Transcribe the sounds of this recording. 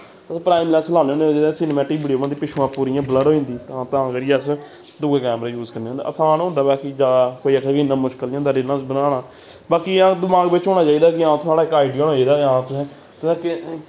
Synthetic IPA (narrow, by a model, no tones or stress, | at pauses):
sːpɾaːiːmlɛ̃ːnslaːneːoːned͡ʒed̪ɛ̃sɪneːmɛːʈiːkbɪːɖijoːmãːd̪iːpɪʃʰuːãːpuːɾiːãːbləɾoːĩnd̪iːt̪ãːt̪ãːəɡəɾeəs | d̪uɡeːkɛːmɾaːjuːzkəɾneːõːnd̪a̰ːʔəsãːnːʊ̃ːnd̪aːbaːkiːd͡ʒaːd̪aːkoːiːəkʰːɡinãːmʊʃkəlːõnd̪aːɾɪlãːbənaːɽaː | baːkiːãːd̪ɪmaːɡbɪt͡ʃɦoːnaːt͡ʃaːiːd̪aːkɪãːt̪ʰʊaːɽaːɪkaːiɖijəːnɦoːiːd̪aːãːt̪ʊsɛ̃ː | t̪ːkɪ